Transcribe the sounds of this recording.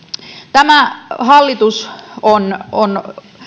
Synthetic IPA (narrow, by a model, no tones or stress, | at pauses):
t̪æmæhɑlːit̪usonon